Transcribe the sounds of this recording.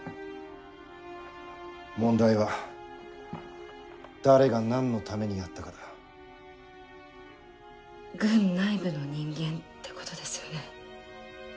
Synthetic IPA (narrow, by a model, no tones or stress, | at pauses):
mõ̞nd̪aiβa | d̪̥aɾe̞ɡanãnːo̞t̪ame̞ɲ̟inat̪ːakad̪ḁ | ɡɯ̟̃nːaibɯ̟no̞ɲ̟ĩŋɡẽ̞nt̪ːe̞̥ko̞̥t̪o̞d̪e̞sɨjo̞ne̞